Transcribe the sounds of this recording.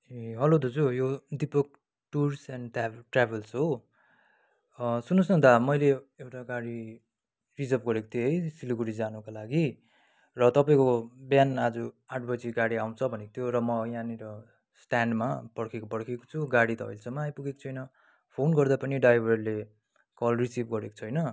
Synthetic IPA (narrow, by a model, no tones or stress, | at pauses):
eɦʌlod̪ʌt͡sʰujod̪ipʌk̚ | ʈursanʈʈrabʱelsɦo | sunusnʌ̃t̪amʌjleewʈaɡaɽi | rid͡zʌpɡʌɾeko̥t̪ʰjoɦʌjsiluɡuɽid͡zanukalaɡi | rʌt̪ʌpaĩkobjanad͡zu | aʈʰbʌd͡ziɡaɽiaw̃t͡sʰʌbʱʌnekot̪ʰjoɾʌmʌjãniɾʌ | sʈanɖma̰pʌɽkʰekopʌɽkʰeko̥t͡sʰuɡaɽit̪ʌʌ̰jlsʌmaːjpuɡeko̥t͡sʰʌjnʌ | pʰonɡʌrd̪apʌniɖajbʱʌrle | kʌlrisibɡʌɾeko̥t͡sʰʌjnʌ